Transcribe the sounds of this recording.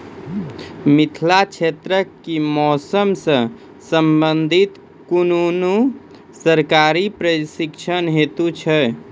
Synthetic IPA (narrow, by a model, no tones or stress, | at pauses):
mit̪ʰlat͡ʃʰet̪ɾəkːimɔsəmsə̃ | səmbənd̪ʱit̪ | kununu | səɾkaɾipɾəsikt͡ʃʰənɦet̪ut͡ʃʰə